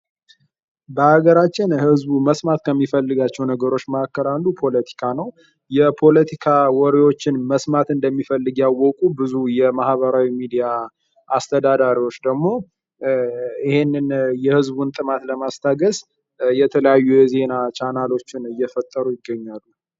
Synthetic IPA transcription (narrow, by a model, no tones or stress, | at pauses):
bəaɡəɾat͡ʃːɪnhɨzbuməsmat̪kʰəmːifəlːɨɡat͡ʃːɛwnəɡəɾo̞t͡ʃːməakːəɾandupʰo̞lət̪ʰi̥kʰanəw | jɛpʰo̞lət̪ʰikʰawɔɾewo̞t͡ʃːɪnməsmat̪ɨnd̪əmːifəlːɨɡjawːɔkʼubɨzujɛmahbəɾawimid̪ija | ʔast̪ʰəd̪ad̪aɾiwo̞t͡ʃːd̪əɡmo̞ | ɪhe̞nːɨnjɛhɨzbunt̪ʼɨmat̪ləmast̪ʰaɡəz | jɛt̪ʰələjajːujɛze̞nat͡ʃʰanalo̞t͡ʃːɪnɨjːɛfət̪ʼːəɾujɪɡːəɲːalːu